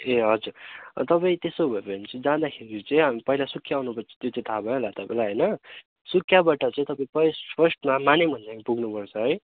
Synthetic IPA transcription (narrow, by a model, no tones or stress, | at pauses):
eɦʌd͡zuɾt̪ʌpaĩt̪esobʱʌepʌnit͡sʌĩd͡zad̪akʰeɾit͡sʌĩɦamipʌilasukʰːjaawnupʌrt͡sʰʌ̥t̪jot͡sʌ̃ĩt̪ʰabʱʌlat̪ʌpaĩlaɦʌjnʌ | sukʰːjabaʈʌt͡sʌ̃ĩt̪ʌpãĩpʌspʰʌsʈmamanemʌnt͡sapuɡnupʌrt͡sʰʌɦʌj